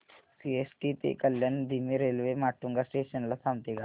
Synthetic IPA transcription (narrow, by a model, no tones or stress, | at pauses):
siesʈit̪ḛkəljand̪imiɾelʋemaʈːuŋɡasʈeɕənlasamt̪iɡa